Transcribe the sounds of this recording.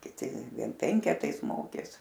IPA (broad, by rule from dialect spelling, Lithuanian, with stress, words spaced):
kʲɪˈtʲɪ ˈʋʲiɛn ˈpʲɛŋʲkʲɛtɐɪs ˈmoːkʲeːs